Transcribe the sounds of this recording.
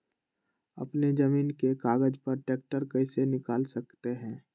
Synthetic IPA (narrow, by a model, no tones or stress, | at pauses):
ɐ̰pned͡ʒəmiːnkekaːɡəd͡ʒpəɾʈeːk̚ʈəɾkəɪsenɪkaːlsɐkt̪eɦɛ̃ː